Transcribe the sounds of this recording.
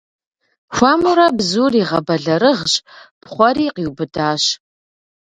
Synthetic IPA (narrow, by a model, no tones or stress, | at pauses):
xʷamɨɾɐbzuːriːʁɐbɐɮɐɾɨʁɕpχʷɔɾiːqiːwbɨdaːɕ